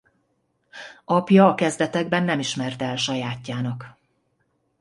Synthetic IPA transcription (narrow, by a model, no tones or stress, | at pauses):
ɒpjɒːkɛzd̪ɛt̪ɛɡbɛnːɛmiʃmɛrt̪ɛlʃɒjaːcːaːnɒk